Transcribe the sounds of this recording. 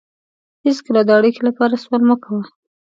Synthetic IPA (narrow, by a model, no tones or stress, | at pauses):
hɪskəlad̪əaɽikelapɑɾaswalməkawa